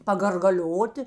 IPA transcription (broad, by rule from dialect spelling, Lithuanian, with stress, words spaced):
pɐɡɐrɡɐˈlʲoːtʲɪ